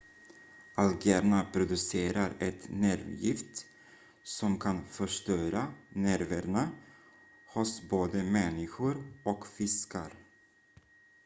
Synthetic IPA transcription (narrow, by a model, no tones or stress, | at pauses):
ʔalɡeːɾnapʰɾʊd̪ɵseːɾaɾɛt̪næɾvjɪ̰ft̪ | sɔmkʰanfœʂt̪œːɾanæɾvəɾɳa | hʊsboːd̪əmɛnːɪɧʊɾɔkfɪska̰ɾ